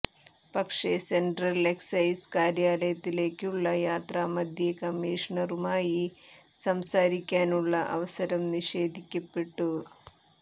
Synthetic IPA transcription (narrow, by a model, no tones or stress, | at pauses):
pɐkʂeseɳʈrɐleksɐjskaːɾjaːlɐjɐt̪ːile̞ːkːuɭːɐjaːt̪ɾaːmɐd̪ʱjekɐmːiːʂɐɳɐɾumaːji | sɐmsaːɾikʲːaːnuɭːɐʔɐ̰ʋɐsɐɾɐmniʂe̞ːd̪ʱikʲːɐpːeʈːu